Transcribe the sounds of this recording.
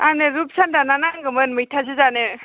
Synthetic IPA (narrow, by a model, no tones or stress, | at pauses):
anɯɾup̚sandananaŋɡɯmɯnmɯjtʰazɯzanɯ